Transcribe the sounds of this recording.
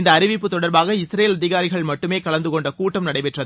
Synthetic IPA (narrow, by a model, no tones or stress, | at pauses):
ɪnd̪ɐːɾɪʋɪpːɯt̪ːɔɽɐɾbaːɣɐɪsɾejeːlɐðɪɣaːɾɪɣɐɭmɐʈːɯmeːkɐɭɐnd̪ɯkɔɳɖɐkuːʈːɐmnɐɽɐɪpɛʈrɐðɯ